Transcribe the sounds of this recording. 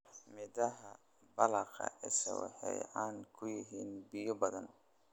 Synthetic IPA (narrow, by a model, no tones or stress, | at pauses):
mɪðɐɦɐ | bɐlɐqɐ̰ʔɛsɐwɑ̰ħɛjaːnkʰʊjɪɦiːnbɪjɔbɐðɐn